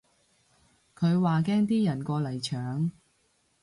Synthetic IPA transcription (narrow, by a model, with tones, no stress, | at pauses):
kʰɵ˨˧ɥwaː˨kɛː˥ŋt̪iː˥jɐ˨˩nkɔː˧lɐ˨˩jt͡ʃʰœː˨˥ŋ